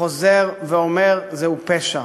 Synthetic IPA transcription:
ozeʁveomeʁzeupeʃa

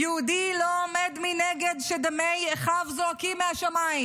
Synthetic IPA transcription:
jɛud̪iloomed̪mineɡedʃed̪amejeχavzoakimeaʃamaim

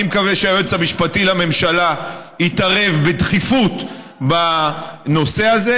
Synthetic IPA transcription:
imkaveʃeaot͡samiʃpatilame̞mʃala | itaʁe̞vbedχifut | bano̞seaze

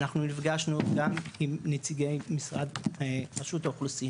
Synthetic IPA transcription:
naχnunifɡaʃnuɡamimnet͡siɡejmisʁad̪epaʃut̪aoχlusi

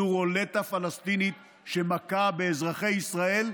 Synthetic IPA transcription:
uʁole̞t̪afalast̪init̪ | ʃe̞makabe̞ːzʁaχe̞jisʁae̞l

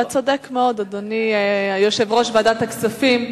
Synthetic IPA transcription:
at͡sod̪ekmeo̞d̪od̪onijoʃevʁo̞ʃveadat̪aksafim

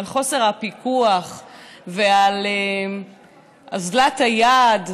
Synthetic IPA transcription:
alχo̞se̞ʁhapikuaχveale | azlathajad

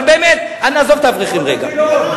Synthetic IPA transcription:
beːmet̪ | aniazovt̪avʁiχimʁeɡa̰

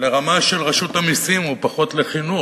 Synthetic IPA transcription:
le̞ʁamaʃe̞lʁaʃutamisimupaχo̞tle̞χinu

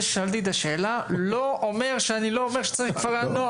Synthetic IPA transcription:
ʃalt̪it̪aʃeːlaloome̞ʁʃeanilo̞omeʃe̥t͡saʁixχkvaʁano

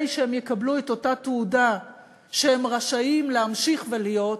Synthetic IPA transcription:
jʃeemjekablueto̞tatuuda | ʃehemʁaʃaimleamʃiχvelijo̞t

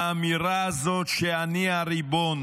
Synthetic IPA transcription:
amiɾazot͡ʃɛaniaɾibon

